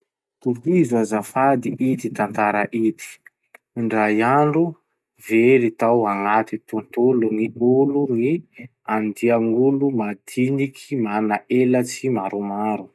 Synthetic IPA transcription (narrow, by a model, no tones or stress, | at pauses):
t̪uizuazafad̪iʔit̪it̪ant̪aɾaʔit̪i̥ | ɳɖ͡ʐajaɳɖ͡ʐu | veɾit̪awaŋat̪it̪unt̪uluŋiuluŋi | and̪iaŋulumad̪̥inikʰimanaʔelat͡simaɾumaɾu